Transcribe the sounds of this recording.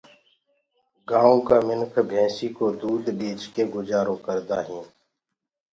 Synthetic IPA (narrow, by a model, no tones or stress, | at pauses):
ɡãːõːkaːmɪnkʰbʱɛ̃ːsiːkoːd̪uːd̪biːt͡ʃkeːɡʊd͡ʒaːɾõːkəɾd̪aːɦĩː